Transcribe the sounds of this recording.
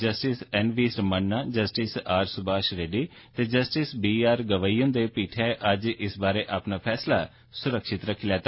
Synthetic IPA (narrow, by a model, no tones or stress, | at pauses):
d͡ʒəsʈɪsɛːnʋiːsɾmənːaːd͡ʒəsʈɪsaːɾsʊbaːʃɾeːɖiː | t̪eːd͡ʒəsʈɪsbiːaːɾɡəʋaːiːə̃nd̪eːpiːʈʰɛːʔəd͡ʒɪsbaːɾeːʔapnaːpʰɛːslaː | sʊɾəkʃɪt̪ɾəkʰilɛːt̪a